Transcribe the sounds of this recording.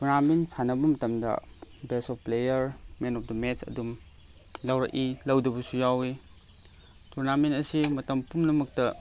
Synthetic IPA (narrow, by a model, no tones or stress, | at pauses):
tuɾnaminsanɐbɐmɐtɐmdɐ̰besɔfplejɐɾmenɔp̚ʰdɐmet͡ʃɐ̰dum | lɐwɾɐ̰kʔilɐwdɐbɐsujawi | tʰuɾnamenɐsimɐtɐmpumnɐmɐk̚tɐ